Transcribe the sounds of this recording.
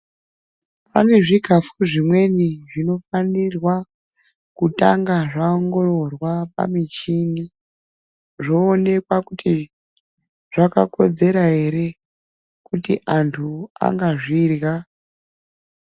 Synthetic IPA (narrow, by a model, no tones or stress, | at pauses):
pane̞ʐiɡʱafuʐimwe̞niʐino̞fanirwa | kutaŋɡaʐaoŋɡo̞ɾo̞rwapa̰mit͡ʃini | ʐoːne̞kwakuti | ʐ̥aka̰ko̞d͡ze̞ɾaɦe̞ɾe̞ | kutiʔantʰua̰ŋɡaʐirɣa